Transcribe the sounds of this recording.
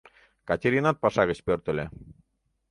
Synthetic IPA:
kɑtʲeɾʲinɑt̪̚pɑʃɑɣə̆t͡ɕpørt̪ə̆lʲe

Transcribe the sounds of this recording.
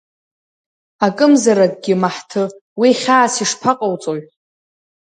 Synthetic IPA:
akʼɨmzaɾak̚ʼɡʲɪmaħtʰɨwiχʲaːsiʂpʰaqʼawt͡sʼoɥʼ

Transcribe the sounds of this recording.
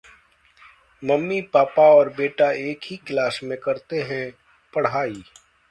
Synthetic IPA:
mɐmːipaːpaɔːɾbeːʈaeːkɦiklaːsmẽkɐɾt̪eɦɛ̃ | pɐɽ̤aːiː

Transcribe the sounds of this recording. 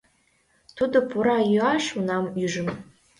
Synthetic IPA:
tʰudɨpʰuɾaaʃunamiʐɨm

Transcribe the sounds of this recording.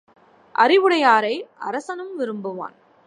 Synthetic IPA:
ʔɐ̰ɾɪʋɯɽɐjaːɾɐɪʔɐ̰ɾɐsɐnɯmʋɪɾɯmbɯʋa̰ːn

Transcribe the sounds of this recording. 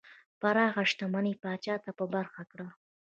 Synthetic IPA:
paɾɑɣaʂt̪amanipɑt͡ʃɑt̪apəbaɾxakɽa

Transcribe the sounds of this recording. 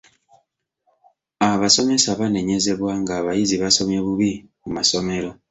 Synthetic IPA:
aβaso̞me̞saβane̞ɲe̞ze̞βwaŋɡaːβajiziβaso̞mje̞βuβimumaso̞me̞ɾo̞

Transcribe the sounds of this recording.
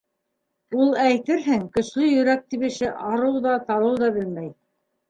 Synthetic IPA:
ulˠæjt̪ɘɾɦɘŋkɵ̆ʃlɵjɵ̆ɾæk̚t̪iβɘ̆ʃɘʔɑɾɤwðɑt̪ɑlˠɤwðɑβɘlmæj

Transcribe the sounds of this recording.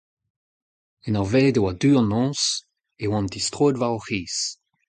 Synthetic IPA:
ɛnaʁvɛːdewadyːɑ̃nɔ̃ːs | ewɑ̃ndistʁoːdvaɔχiːs

